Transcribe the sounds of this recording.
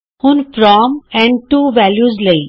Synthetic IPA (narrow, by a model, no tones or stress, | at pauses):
hũnfɾɔmɛ̃ɳɖʈuʋæljuzlei